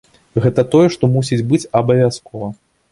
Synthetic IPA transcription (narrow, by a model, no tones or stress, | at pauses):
ɣɛt̪ɐt̪ɔjɛʂt̪ɔmusʲid͡zʲbɨt͡sʲɐbɐvʲaskʰɔvɐ